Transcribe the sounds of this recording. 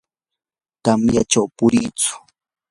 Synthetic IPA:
t̪amjat͡ʃawpʊɾiːt͡sʊ̥

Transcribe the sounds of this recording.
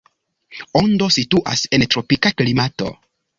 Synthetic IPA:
ondo̞situʔa̰se̞ntɾo̞pikaklimato̞̰

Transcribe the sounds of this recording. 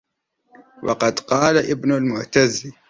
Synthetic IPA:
wʔɑ̰qɑd̪qɑːlaʔɪbnʊlmʊʕt̪az

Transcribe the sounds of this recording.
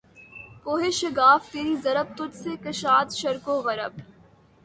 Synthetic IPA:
poːɦeːʃɐɡaːft̪eːɾiːzɐɾəb̚t̪ʊt̪sekɐʃaːt̪ʃɐɾkoːɣɐɾəb̚

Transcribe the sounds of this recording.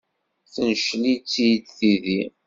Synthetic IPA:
θənʃlit͡sːijd̪θiði

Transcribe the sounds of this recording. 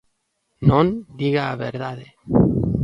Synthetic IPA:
nond̪iɣaːβeɾðaðe

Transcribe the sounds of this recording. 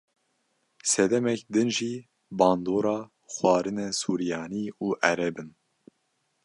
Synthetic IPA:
sɛd̪ɛmɛkd̪ɨnʒiː | bɑːnd̪oːɾɑː | xwɑːɾɨnɛsuːɾijɑːniːuːʔɛɾɛbɨn

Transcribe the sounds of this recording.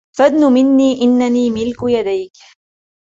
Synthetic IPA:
fad̪nʊmɪnːiːʔɪnːaniːmɪlkjad̪ajk

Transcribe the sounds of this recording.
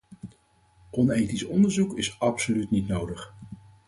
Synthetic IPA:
ʔɔnejtisɔndəɹzukɪsɑpsolytnitnowdəχ

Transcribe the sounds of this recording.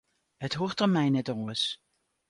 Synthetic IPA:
hətɦoːrtəmɛjnɛtɔləs

